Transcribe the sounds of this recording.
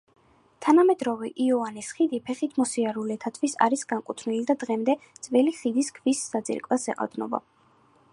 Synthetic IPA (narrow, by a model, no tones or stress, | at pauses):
t̪ʰanamɛd̪ɾɔvɛʔiɔanisχid̪ipʰɛχit̪ʰmɔsiaɾulɛt̪ʰat̪ʰvisa̰ɾisɡaŋkʼut̪ʰnilid̪ad̪ʁɛmd̪ɛd̪z̥vɛliχid̪iskʰvisːad̪zʼḭɾkʼwasɛ̰qʼa̰d̪nɔ̰ba̰